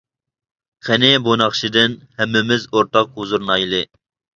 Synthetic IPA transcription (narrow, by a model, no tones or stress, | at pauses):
χʰɛnɪbonɑχʃid̪ɪnhɛmːɪmɪzoɾt̪ɑq̚huzuɾnɑjlˠɨ